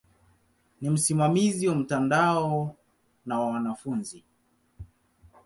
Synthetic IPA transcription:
nim̩simamiziwam̩tandaɔ | nawawanafunzi

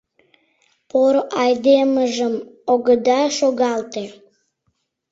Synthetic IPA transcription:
poɾoʔɑjd̪eməʒəmoɣəd̪ɑʃoɣɑlt̪e

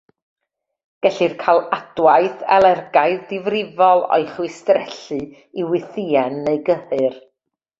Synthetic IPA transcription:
ɡ̥ɛɬɨrkʰajlˠad̥wajθɛlˠɛrɡajðdɪvrɪvɔlˠɔ̰jχwɪstrɛɬɨ | iwɪθiɛnːejɡəhɨr

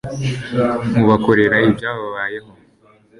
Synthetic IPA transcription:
muβako̞ɾe̞ɾaibjaːβoβaβaːje̞ɦo̞

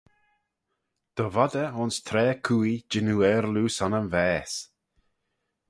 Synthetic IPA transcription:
d̪̥əvɔd̪əʊnst̪ʰɾɛːkʰuːid͡ʒɪnuɛːɾluːsɔnənvɛːs

